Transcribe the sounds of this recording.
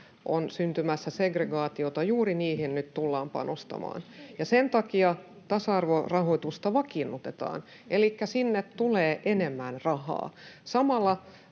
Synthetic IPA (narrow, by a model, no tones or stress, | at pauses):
ʔonsynt̪ymæsːæseɡreɡɑːt̪iot̪ɑjuːriniːhinnyt̪t̪ulːɑːmpɑ̰nost̪ɑ̰mɑ̰ːnjɑsent̪ɑkiɑ | t̪ɑsɑɑrʋorɑhoit̪ust̪ɑʋɑkinːut̪et̪ɑ̰ːn | ʔelikːæsinːet̪t̪uleːʔenemːænrɑhɑ̰ːsɑmɑlːɑ